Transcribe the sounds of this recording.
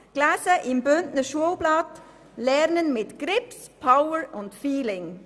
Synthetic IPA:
ɡ̥lɛsəʔɪmbʏntnəʃoblɑt | lɛʁnənmɪtɡ̥ʁɪpspʰaʊəɹʔʊntfiːlɪŋ

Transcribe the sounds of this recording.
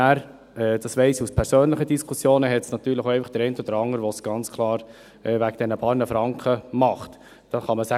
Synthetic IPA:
æːɾ | ɛːd̥̪ɑsʋɛɪsuspʰɛɾsøːnləχədiskʰusjoːnəɦɛtsnɑt̪yːɾləχoɛɪfɑχd̥əɾɛɪntɔd̪əɾɑŋːəɾʋɔsɡ̥ɑnt͡skʰlˠɑːɾ | ɛʋæɡ̚d̥ɛnəpɑːɾnəfɾɑŋkχəmɑχt̪ | d̥ɑχɑməsæ

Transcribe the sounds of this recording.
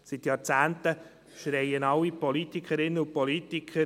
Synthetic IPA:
sit̪jɑːɾt͡sæːntə | ʃɾɛɪənɑlːipɔlit̪ikχəɾɪnːəʊpɔlit̪ikʰə

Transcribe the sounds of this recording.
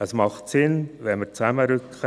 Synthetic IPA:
əsmɑχtsɪnvɛnməɾt͡sæməɾʏkχə

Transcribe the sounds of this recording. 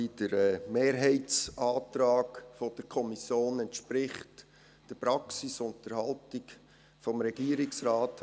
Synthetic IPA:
id̥əɾɛmeːɾɦɛɪtsʔɑːt̪ɾɑːkfɔd̥əɾkʰɔmisjoːnɛntʃpɾɪχt | d̥əpɾɑksisʊntəɾhɑltɪk | fɔmɾɛɡ̥iːəɾɪksɾaːt

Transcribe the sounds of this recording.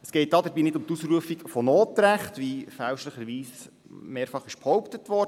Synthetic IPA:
əsɡ̥ɛɪt̚dɑːd̪əɾbiːnɪdʊmt̪usɾuəfikfɔnoːtɾæχtʋifælʃləχəɾʋiːs | meːɾfɑχɪʃphɔʊptətʋɔrd

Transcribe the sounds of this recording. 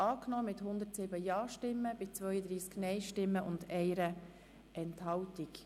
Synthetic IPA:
ɑːknɔːmɪt̪hʊnd̪ərtsɪbəjɑːʃtɪmːəb̥ɪt͡sʋœʏəd̪ɾiːsknɛɪʃtɪmːəʔʊnd̪ɛɪɾə | ɛnthɑwtik

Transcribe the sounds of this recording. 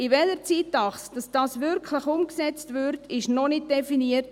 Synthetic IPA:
ɪvɛləɾt͡siːtːɑχsd̥ɑsd̥ɑːsʋʏɾkʰləχʊmksɛt͡stʋʏɾtʰɪʃnɔnɪk̚d̥ɛfiniərt

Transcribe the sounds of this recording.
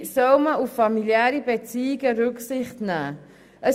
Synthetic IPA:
sœlməuffɑmiljæːɾibet͡siːiɡəɾʏksɪχtnæː | ʔə

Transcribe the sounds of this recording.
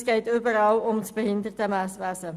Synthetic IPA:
skɛjtybərɾɑlɔmtbəɦɪndərtəmæsʋæsə

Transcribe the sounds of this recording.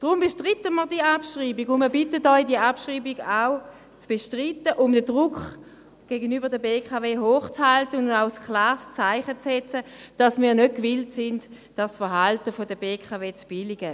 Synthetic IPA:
d̥ʁʊmbeʃtʁitəməʁdiəapʃʁiːbiɡʊnməbɪtətːɔidiəapʃʁiːbiɡaʊ | t͡sb̥eʃtʁitəʔʊmdədʁʊkχ | ɡ̥eːɡənyːbəʁdəbeːkʰaveːɦoːχt͡shaltənʊaʊskʰlaːʁst͡saɪχət͡sɛt͡səd̥ɑsmiːɐnød̚kvɪltsɪnt | d̥asfəʁɦaltəfodəbeːkʰaveːt͡sb̥ɪliɡə

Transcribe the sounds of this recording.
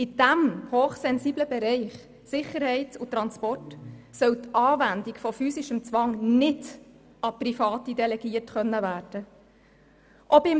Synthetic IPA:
ɪd̥æmhoːχsɛnsiːbləbɛɾɛɪχ | sɪχəɾhɛɪtʊt̪ɾɑnspɔrtsœwt̪ɑːvændikfɔfyːsɪʃəmt͡sʋɑŋnɪd | ɑprifɑːt̪id̪ɛlɛɡiːətχœnːəvæːɾd̥ə | ʔɔbɪ

